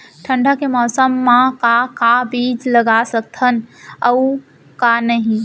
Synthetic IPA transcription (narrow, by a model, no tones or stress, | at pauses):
ʈʰə̃ɳɖʱakemɔːsəmːãkakabiːd͡ʒləɡasək̚t̪ɦənəu | kanəɦĩ